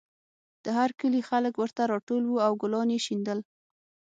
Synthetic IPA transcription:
d̪̥əɦaɾkəlixaləkwəɾt̪aɾɑʈolwuawɡʊlɑnjeʃind̪əl

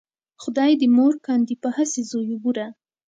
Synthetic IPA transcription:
xʊd̪ɑjd̪əmoɾkɑnd̪ipəhasezojubuɾa

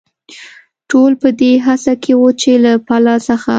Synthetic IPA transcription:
ʈolpəd̪eɦasakʰewət͡ʃelapalɑsəxa

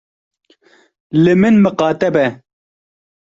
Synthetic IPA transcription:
lɨmɨnmɨqɑːt̪ɛbɛ

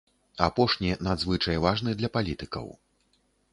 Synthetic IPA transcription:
apɔʂnʲinad̪zvɨt͡ʂɐjvaʐnɨd̪lʲɐpalʲit̪ɨkɐ̰w

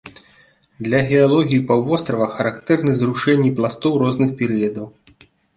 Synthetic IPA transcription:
d̪lʲɐɣʲɛalˠɔɣʲijipawvɔst̪ɾɐvɐxɐɾakt̪ɛrnɨzɾuʂɛnʲːiplˠast̪ɔwɾɔznɨxpʲɛɾɨjɐd̪ɐw

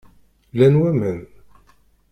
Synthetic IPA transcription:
lænwæmən

